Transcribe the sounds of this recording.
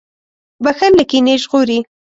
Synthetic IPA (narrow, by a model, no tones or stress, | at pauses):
baxaɾlakineʒɣoɾi